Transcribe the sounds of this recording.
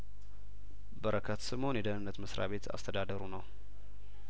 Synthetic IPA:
bəɾʔəkʰət̪sɨmho̞njɛd̪ənɨnːət̪məsɾa̰βe̞t̪ʰa̰st̪ʰəd̪ad̪əɾunəw

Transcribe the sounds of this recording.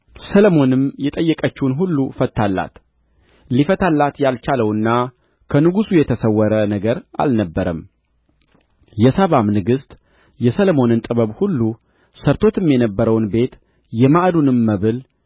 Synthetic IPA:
sələmo̞nɨmjɛt̪ʼəjːɛkʼət͡ʃːnɦulːufət̪ːalːa̰t̪ | lifət̪ʰalːat̪jalt͡ʃaləwɨnːa | kʰənɨɡusujɛt̪ʰəsəwːəɾənəɡəɾa̰lnəbːəɾəm | jɛsaβamnɨɡɨst̪ʼ | jɛsələmo̞nɨnt̪ʼɨβəβhulːu | səɾt̪ʰo̞t̪ɨmjɛnəbːəɾəwnbe̞t̪ | jɛmaʔd̪unɨmːəβɨl

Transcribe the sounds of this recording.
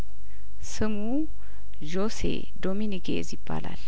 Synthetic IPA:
sɨmu | ʒosḛ | d̪o̞minikʰḛzjɪbːala̰l

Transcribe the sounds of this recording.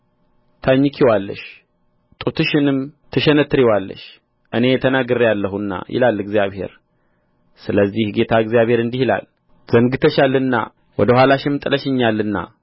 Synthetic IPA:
t̪ʰaɲːɪkʰiwalːə̰ʃ | t̪ʼut̪ʰɨʃɪnɨmt̪ʰəʃɛnət̪ʰːɨɾiwalːə̰ʃ | ʔɨne̞t̪ʰənaɡɨɾjalːəɦunːa̰jɪ̰lalːɨɡzijaβhe̞̰ɾ | sɨləzːihɡe̞t̪ʰaɨɡzijaβhe̞ɾɨnd̪ihila̰l | z̥əŋɡɨt̪ʰəʃalɨnːa̰ | wɔd̪əhwalaʃɪmt̪ʼɨləʃɪɲːalːɨnːa̰

